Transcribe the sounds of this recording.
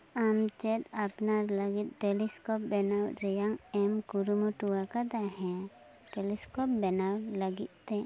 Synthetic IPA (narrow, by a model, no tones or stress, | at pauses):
amt͡ʃɛt̪apnaɾləɡit̪̚ˀʈeliskɔp̚bɛnawɾɛjaŋɛmkuɾumuʈuwakad̪aɦɛ̃ | ʈelɛskɔp̚bɛnawləɡit̪̚ˀt̪ɛ